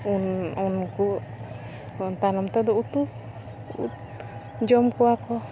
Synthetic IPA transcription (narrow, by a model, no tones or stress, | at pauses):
ununku | ɔnt̪anɔmt̪ɔd̪ɔut̪u | ṵt̪ | d͡ʒɔmkuakɔ